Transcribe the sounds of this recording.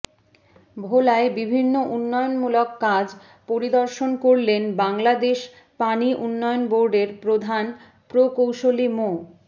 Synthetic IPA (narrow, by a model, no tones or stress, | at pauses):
bʱolaebibʱinːoʔunːɔeonmulokːad͡ʑ | poɾid̪ɔɾʃonkoɾlenbaŋlad̪eʃ | paniʔunːɔjonboɾɖeɾpɾod̪ʱan | pɾokowʃolimo